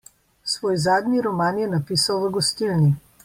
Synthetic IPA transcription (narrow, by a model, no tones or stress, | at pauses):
sʋɔːjzaːd̪niɾɔmaːnjɛnapiːsawvəɡɔst̪ilni